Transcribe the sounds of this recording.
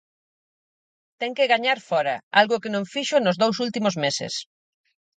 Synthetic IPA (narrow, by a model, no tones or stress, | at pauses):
t̪ɛŋkɪɣaɲaɾfɔɾɐalɣʊkɪnõɱfiʃʊnʊzðowsult̪imʊzmesɪ̰s